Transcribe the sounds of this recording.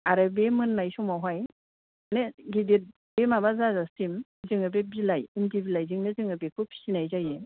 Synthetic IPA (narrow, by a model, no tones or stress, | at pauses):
aɾɯbemɯnːajsɔmawɦaj | neɡidiɾ̚ | bemabazazasimzɯŋɯbebilajimdibilajzɯŋnɯzɯŋɯbekʰupʰi̥sinajzaje